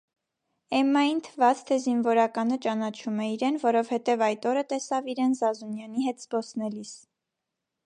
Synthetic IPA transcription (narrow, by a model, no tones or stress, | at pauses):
ɛmːɑjint̪ʰəvɑt͡st̪ʰɛzinvɔɾɑkɑnət͡ʃɑnɑt͡ʃʰumɛiɾɛnvɔɾɔvhɛt̪ɛvɑjt̪ɔɾət̪ɛsɑviɾɛnzɑzunjɑniɦɛt̪z̥bɔsnɛlis